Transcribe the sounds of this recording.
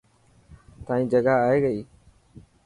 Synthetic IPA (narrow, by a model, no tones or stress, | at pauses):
t̪ãːĩːd͡ʒəɡaːaːeːɡəiː